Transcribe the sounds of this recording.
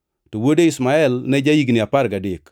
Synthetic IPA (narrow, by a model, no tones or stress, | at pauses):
towodeɪsmaɛlnɛd͡ʒajiɡnɪapaɾɡadɪk